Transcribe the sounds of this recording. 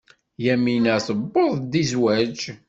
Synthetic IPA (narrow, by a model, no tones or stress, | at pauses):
jæminəθəbːoðˤd̪izwæd͡ʒ